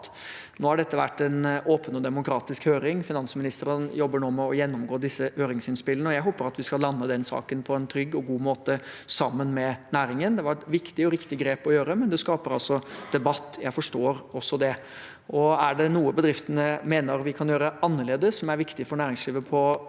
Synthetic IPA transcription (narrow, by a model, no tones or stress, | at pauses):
noːhɑɖɛt̪ːəʋæʈːɛnʔoːpənɔd̪ɛmʊkɾɑːt̪ɪskhøːɾɪŋfɪnɑnsəmɪnɪst̪əɾənjɔbːəɳoːmɛɔjɛnːɔmɡoːd̪ɪsːəhøːɾɪŋsɪnspɪlənəɔjæɪɦoːpəɾɑt̪ʋɪskɑlɑnːəd̪ɛnsɑ̰ːkənpʰɔɛnt̪ʰɾʏɡːɔɡuːmoːt̪əsɑmːənmɛnæːɾɪŋənd̪ɛʋɑʋɪkt̪ɪɔɾɪkt̪ɪɡɾeːpɔjøːɾəmɛnd̪ɛskɑːpəɾɑlsɔd̪̥ɛbɑt̪ːjæɪfɔʂʈoːɾɔsːɔd̪ɛ | ʔɔæɖɛnuːəbəd̪ɾɪft̪ənəmeːnəɾʋɪkʰɑnjøːɾəɑnːəɭeːd̪əsːɔmæɾʋɪkt̪ɪfɔɳæːɾɪŋsliːʋəpʰɔ